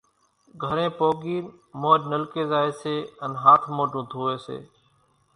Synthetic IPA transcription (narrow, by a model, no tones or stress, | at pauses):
ɡʱəɾẽːpoːɡiːnmoːɗnəlkeːzaːeːseːənɦaːt̪ʰmoːʈũːt̪ʰuːʋeːsḛː